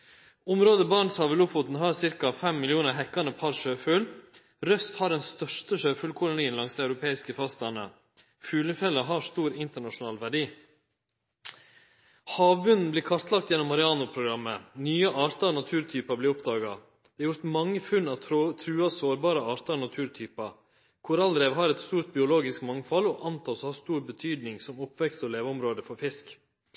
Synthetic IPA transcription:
ʊmɾoːd̪əbɑːɳsɑʋəlʊfʊt̪n̩ɦɑːɾsɪɾkɑfɛmːɪlɪuːnəɾɦɛkːɑnəpʰɑɾʂøːfʉl | ɾœst̪hɑɾɛnst̪œʂtəʂøːfʉːlkʰʊlʊniːnlɑŋsd̪ɛɑʉɾʊpʰeːɪskəfɑst̪ɑnə̰ | fʉːləfɛlːəɦɑst̪uːɾɪnt̪əɳɑʂʊnɑːlʋæɖiː | hɑːʋbʉnn̩bliːɾkʰɑɾt̪lɑkt̪jɛnːɔmɑɾɪɑːnʊpʰɾʊɡɾɑmːənyːəʔɑːɾt̪ɑnɑt̪ʰʉːɾt̪ʰyːpɑblɪːɾɔpd̪ɑːɡɑ | d̪̥ɛɑɾjʊɾt̪mɑŋːəfʉnɑʋt̪ʰɾʉːɑsoːɾbɑːɾəɑːɾt̪ɑnɑt̪ʰʉːɾt̪ʰyːpɑ | kʰʊɾɑld̪ɾɛːʋɦɑɾɛt̪st̪uːɾt̪̚bɪʊloːɡɪskmɑŋfɑlɔːʔɑnt̪ʰɑːshɑst̪uːɾbət̪ʰyːd̪nɪŋsɔmɔpːʋɛkst̪ɔːleːʋəɔmɾoːd̪əfɔɾfɪsk

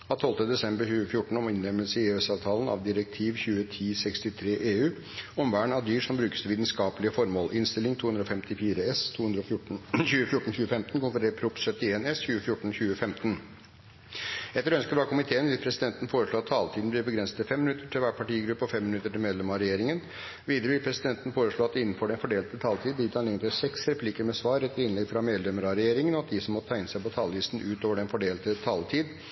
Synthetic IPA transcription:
ɑt̪ʰɔlt̪əd̪ɛsɛmbəçʉːəfjʊʈːɳ̩ɔmɪnlɛmːəlsəɪeːøsɑːʋt̪ʰɑːlənɑ̰ʋd̪ɪɾɛk̚t̪ʰiːʋçʉːət̪ʰiːsɛkst̪ɪt̪ʰɾeːʔeːʉː | ɔmʋæːɳɑʋd̪yːʂɔmbɾʉːkə̥st̪əʋiːt̪nskɑːpəlɪəfɔɾmoːlʔɪnst̪ɪlɪŋt̪ʰuːhʉnɾəɔːfɛmt̪ɪfiːɾəɛst̪ʰuːʉnd̪ɾɔçʉːəfjʊʈːɳ̩çʉːəfɛmt̪n̩kʰʊnfəɾepʰɾʊpsœt̪ːɪeːnɛsçʉːəfjʊʈːɳ̩çʉːəfɛmt̪n̩ | ɛt̪ːəɾœnskəbɾɑːkʰʊmɪt̪ʰeːənʋɪlpʰɾɛsɪd̪ɛnt̪ən̩foːɾəʂɭoːɑt̪ʰːɑːlt̪ʰiːd̪n̩b̪lɪɾbəɡɾɛnsə̥t̪ɪlfɛmːɪnʉt̪ːəʈʰɪlʋæːʈ̚pʰɑʈiːɡɾʉpːəɔfɛmːɪnʉt̪ːəʈɪlmeːd̪lɛmɑɾɛjeːɾɪŋən | ʋiːd̪əɾəʋɪlpʰɾɛsɪd̪ɛnt̪ən̩foːɾəʂɭoːɑt̪ɪnːn̩fɔɖɛnfɔɖeːlt̪ət̪ʰɑːlt̪ʰiːd̪b̪ɪt̪ʰɑnɪŋənt̪ɪsɛksɾɛpʰlikəɾmɛsʋɑːɾɛt̪ːəɾɪnlɛɡfɾɑmeːd̪lɛməɾɑɾɛjeːɾɪŋənɔɑt̪̚d̪ɪsɔmːɔt̪ʰæɪnəsæɪpɔt̪ʰɑːlʋiːst̪n̩ʉːt̪oːʋəɖɛnfɔɖeːlt̪ət̪ʰɑːlt̪ʰiːd̪

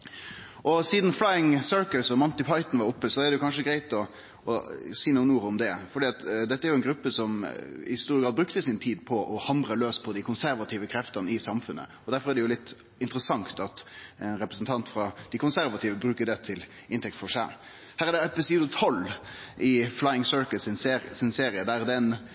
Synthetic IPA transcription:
ʔɔsiːd̪n̩flɑɪɪŋsøɹkəlsɔmɔnt̪ɪpʰɑɪt̪n̩ʋɑɾʊpːəsɔæɾd̪ɛjʊkʰɑnʂəɡɾæɪt̪ɔ | ɔsiːnuːnːuːɾʊmd̪ɛfɔɖiːɑt̪d̪ɛt̪ːəæɾjʊɛnɡɾʉpːəsɔmɪ̰ɪst̪uːɪəɡɾɑːd̪̚bɾʉkt̪əsɪnt̪ʰiːd̪̚pʰɔʔɔhɑmbɾəløːspʰɔd̪ɪkʰʊnsæɾʋɑt̪ʰiːʋəkʰɾɛft̪ɑnəɪsɑmfʉnːə̰ɔd̪æɾfɔɾæɾd̪ɛjʊlɪt̪ː | ɪnt̪ɾəsɑŋt̪ɑt̪ɛnɾɛpɾəsn̩t̪ʰɑnt̪fɾɑd̪̥ɪkʊnsæɾʋɑt̪ʰiːʋəbɾʉːkəɖ̪ɛt̪ʰɪl | ɪnt̪ʰɛk̚t̪fɔʂæ̰ | hæːɾæd̪ɛɛpɪsiːd̪ʊt̪ʰɔlːʔɪflɑɪɪŋsœɹkəlsɪnssɪnseːɾɪəd̪æɾd̪ɛn

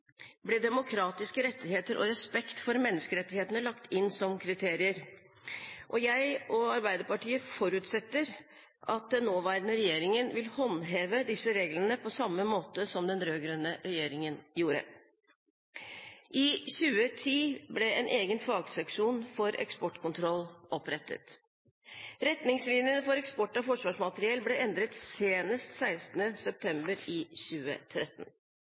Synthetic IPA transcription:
blɛd̪ɛmʊkʰɾɑːt̪ɪskəɾɛt̪ːɪheːt̪əɾʔɔ̰ɾɛspɛkt̪fɔɾmɛnːəskəɾɛt̪ːɪheːt̪nəlɑkt̪ɪnːsɔmkʰɾɪt̪ʰeːɾɪəɾ | ʔɔjæɪʔɔɑɾbæɪd̪əɾpɑʈiːəfɔɾʉːt̪sɛt̪ːəɾ | ʔɑt̪̚d̪ɛnoːʋæːɾənəɾɛjeːɾɪŋənʋɪlhɔnɦeːʋəd̪ɪsəɾeːɡlənəpʰɔsɑmːəmoːt̪əsɔmd̪ɛnɾøːɡɾʉnːəɾɛjeːɾɪŋənjuːɾə̰ | ʔɪçʉːət̪ʰiːblɛɛnʔeːɡənfɑːɡsɛkʂuːnfɔɾɛ̰kspɔʈkʰʊnt̪ʰɾɔlːʔɔpɾɛt̪ːə̰t̪ | ɾɛt̪nɪŋslɪnjənəfɔɾɛkspɔʈːɔfɔʂʋɑːʂmɑt̪əɾɪɛlblɛʔɛnd̪ɾət̪seːnəst̪sæɪst̪n̩əsɛp̚t̪ʰɛmbəɾɪçʉːə̰t̪ʰɾɛt̪ːn̩

